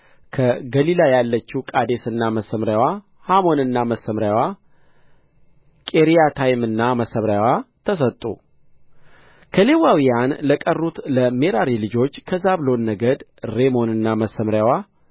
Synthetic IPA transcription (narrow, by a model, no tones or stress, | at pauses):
kʰəɡəlilajalːət͡ʃːukʼad̪e̞sɨnːaməsəmɾjawa | hamo̞nɨnːaməsəmɾjawa | kʼeɾijat̪ʰajɪmɨnːaməsəmɾawat̪ʰəs̬ət̪ʼːṵ | kʰəle̞wawijanləkʼərːut̪ləme̞ɾaɾilɨd͡ʒo̞t͡ʃːkʰəzaβlo̞nːəɡəd̪ɾe̞mo̞nɨnːaməsːəmɾjawa